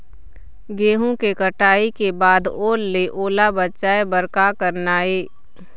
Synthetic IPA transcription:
ɡeːɦõkekəʈaːikebaːd̪oːlːeʔoːlabətːt͡ʃaːebəɾkakəɾnaːeː

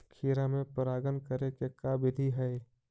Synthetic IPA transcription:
kʰiːɾamẽpəɾaːɡənkəɾekekaːbɪd̪ʱiɦɛː

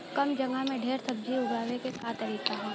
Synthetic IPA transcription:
kɐmd͡ʒɐŋɡamẽɖʱeːɾsʰɐb̚d͡ʒiʊɡaːwekekaːt̪ɐɾiːkaɦɛː

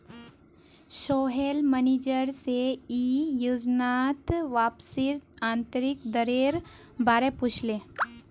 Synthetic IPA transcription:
ʃoɦelmənid͡ʒəɾseijud͡ʒnat̪ʋapsiɾt̪ãnt̪əɾikd̪əɾeɾ | baɾeput͡ʃʰle

